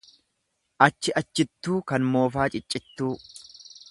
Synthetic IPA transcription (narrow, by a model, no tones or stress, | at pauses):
ʔɐt͡ʃːɪɐt͡ʃːɪt̪ːuːkɐnmo̞ːfaːt͡ʃʼɪt͡ʃʼːɪt̪ːuː